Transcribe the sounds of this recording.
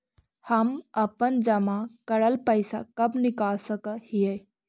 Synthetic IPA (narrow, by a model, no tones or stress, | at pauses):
həməpənd͡ʒəmakəɾəlpəɪsa̰kəbnɪkalsəkəhijə